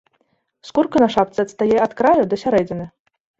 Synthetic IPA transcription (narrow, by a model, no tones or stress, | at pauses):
skurkɐnɐʂap̚t̪sɨɐt̪st̪ajɛɐt̪kɾajud̪ɐsʲaɾɛd͡zʲɪnɨ